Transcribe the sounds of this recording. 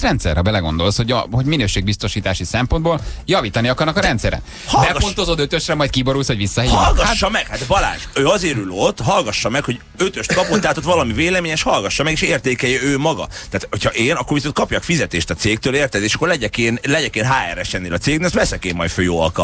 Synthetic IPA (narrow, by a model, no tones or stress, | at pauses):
rɛnt̪sɛ̰rɛbɛlɛɡo̞̰nd̪o̞lsho̞ɟɒ̰ho̞ɟminøːʃeːɡ̚bist̪o̞ʃiːt̪aːʃisɛmpo̞nd̪boːljɒviːt̪ɒniɒkɒrnɒkɒɾɛnt̪sɛɾɛ̰ | hbɛont̪o̞zod̪øt̪øʃrɛmɒjt̪kibo̞ɾuːlshoɟʋisːɒɦiːlɡɒʃːɒmɛkhat̪bɒla̰ːnʃøːɒzeːɾylo̞t̪ːɦɒlɡɒʃːɒmɛkho̞ɟ | øt̪ø̞ʃt̪kɒpot̪ːaːt̪ot̪vɒlɒmiveːlɛmeːɲɛʃhɒlɡɒʃːɒmɛɡeːʃeːrt̪eːkɛjɛøːmɒɡɒ̰t̪aːt̪hocʰhɒʔeːnɒkːorvisont̪kɒpjɒkfizɛt̪eːʃt̪ɒt̪seːk̚t̪øːleːrt̪ɛzeːʃɒ̥kːorlɛɟɛkeːnlɛɟɛkeːnɦaːɛ̰rɛʃɛnːeːlɒt̪seːɡnɛst̪lɛsɛkeːmːɒjt̪føːjo̰ːɒ̰lkɒ̰